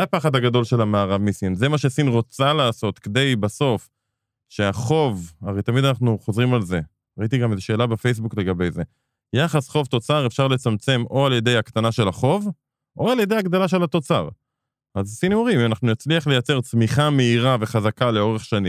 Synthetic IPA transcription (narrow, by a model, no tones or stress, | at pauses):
apaχad̪aɡad̪o̞lʃe̞lamaːʁavmisinze̞maʃesinʁo̞t͡salaːso̞t̪ked̪e̞jbaso̞f | ʃe̞aχo̞vaʁejt̪amid̪anaχnuχo̞zʁimalze̞ | ʁait̪iɡamezeʃe̞ːlabefe̞js̬bukle̞ɡabe̞jze̞ | jaχasχo̞vt̪o̞t͡saʁe̞fʃaʁle̞t͡samt͡se̞mo̞alje̞d̪e̞jakt̪anaʃe̞laχo̞v | ʔo̞aljed̪ejaɡd̪alaʃ̬e̞lat̪o̞t͡sa̰ʁ | ʔazsinuʁimanaχnujat͡sliaχlejat͡se̞ʁt͡smiχame̞iʁave̞χazakale̞o̞ʁeχʃanĩm